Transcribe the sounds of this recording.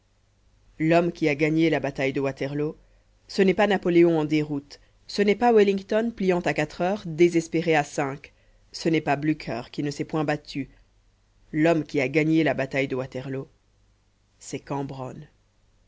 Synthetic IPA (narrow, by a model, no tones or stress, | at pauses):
lɔmkʲiaɡaɲelabat̪ajd̪əwat̪ɛʁlo | sənɛpanapɔleɔ̃ɑ̃d̪eʁut̪ | sənɛpawilĩŋɡt̪ɔnplijɑ̃t̪akat̪χœːʁd̪ezɛspeʁeasɛ̃k | sənɛpablykʰœʁkʲinəsɛpwɛ̃bat̪ʰy | lɔmkʲiaɡaɲelabat̪ajd̪əwat̪ɛʁlo | sɛkɑ̃bʁɔn